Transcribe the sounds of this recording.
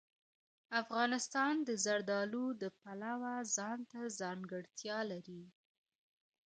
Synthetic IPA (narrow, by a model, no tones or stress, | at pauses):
afɣɑnɪst̪ɑnd̪əzaɾd̪ɑlud̪əpalawazɑnt̪azɑŋɡəɽt̪jɑlaɾi